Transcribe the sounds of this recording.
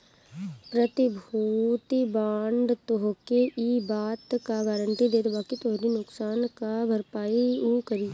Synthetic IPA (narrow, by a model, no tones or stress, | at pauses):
pɾət̪ɪbʱuːt̪ibaːɳɖt̪oɦkeʔibaːt̪kaɡaːɾəɳʈ̪id̪eːt̪baːkit̪oɦɾinʊksaːnkabʱəɾpaːiuːkəɾiː